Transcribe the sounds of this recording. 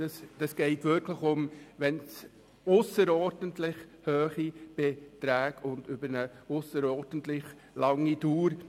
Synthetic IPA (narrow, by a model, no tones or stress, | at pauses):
ɑsd̥ɑsɡ̥ɛɪtʋɪɾkləχʊmʋɛns | ʊsəɾɔːɾd̥ən̩tlɪχ | høːχib̥ɛt̪ɾæːɡʊnd̪ʏbəɾnəʊsəɾɔːɾd̥ən̩t̪lɪχ | lɑŋːituːɾ